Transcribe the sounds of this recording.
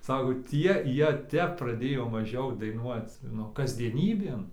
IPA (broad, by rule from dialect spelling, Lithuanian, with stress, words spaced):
ˈsɑːkoː ˈtʲiɛ ˈjiɛ ˈtʲɛp prɐˈdʲeːjoː mɐˈʒʲɛʊ dɐɪˈnuɔt͡s ˈnʊ kɐzʲdʲiɛˈnʲiːbʲeːn